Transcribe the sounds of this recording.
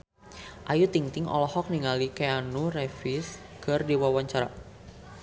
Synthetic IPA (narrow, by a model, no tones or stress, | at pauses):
ʔajut̪iŋt̪ɪŋɔ̰lɔhɔk̚niŋalikeanurɛfɪs | kərdiwawaɲt͡ʃaɾa̰